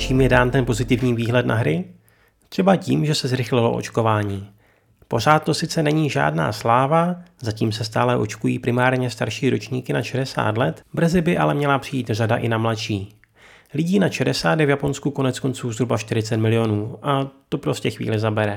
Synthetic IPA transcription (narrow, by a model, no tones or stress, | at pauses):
t͡ʃiːmjɛdaːnt̪ɛnpo̞zɪt̪ɪvɲiːviːɦlɛt̪na̰ɦɾɪ | t̪r̝̥ɛbacḭːmʒɛsɛzɾɪxlɪlo̞̰ʔo̰t͡ʃko̞vaːɲiː | po̞r̝aːt̪̚t̪ːo̞sɪt͡sɛnɛɲiːʒa̰ːdna̰ːslaːvazaciːmsɛst̪aːlɛʔo̞̰t͡ʃkujḭːpɾɪmaːɾɲɛst̪aɾʃiːɾot͡ʃɲiːkɪnaʃɛdɛsa̰ːt̪lɛt̪br̩zɪbɪʔalɛmɲɛlapr̥ɪjiːt̪radaʔɪnamlaʃiː | lɪɟiːnaʃɛdɛsaːddɛvjapo̞nskuko̞nɛt͡sko̞nt͡suːzɦɾubaʃt̪ɪɾɪt͡sɛt̪mɪlɪjo̞nuːʔat̪o̞pɾo̞scɛxvḭːlɪzabɛɾɛ